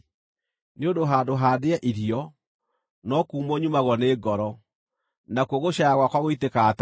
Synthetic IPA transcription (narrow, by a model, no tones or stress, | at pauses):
neondoɦaːdoɦaːdeɛʔiɾiɔ | nɔkuːmɔɲumaɣwɔneːɡɔɾɔ | nakuoɣoɕaaɣwakwaɣoitekat